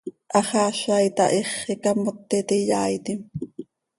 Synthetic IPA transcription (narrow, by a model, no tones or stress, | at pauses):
ʔɑχɑːʃɑjt̪ɑ̰ʔeχːekɑmot̪ːet̪ijɑːjt̪im